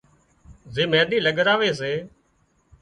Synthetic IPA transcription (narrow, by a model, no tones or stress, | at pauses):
zeːmẽːɗ̪iːləɠɾaːʋeːs̬eː